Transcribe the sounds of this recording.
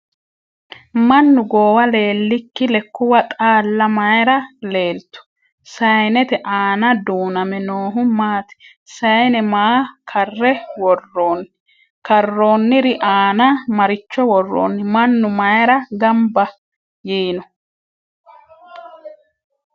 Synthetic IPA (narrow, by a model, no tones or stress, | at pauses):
mɐnːʊɡoːwɐle̞ːlːɪkːɪlɛkːʊwɐt̪ʼaːlːɐmɐjɛɾɐle̞ːlt̪ʊ̥ | sɐjnɛt̪ɛʔaːnɐd̪uːnɐmɛnoːɦʊmaːt̪ɪ̥ | sɐjnɛmaːkʰɐrːɛwɔrːoːnː | kɐrːo̞ːnːɪɾɪʔaːnɐmɐɾɪt͡ʃːɔwɔrːo̰ːnːɪmɐnːʊmɐjɛɾɐɡɐmbɐ | jiːnɔ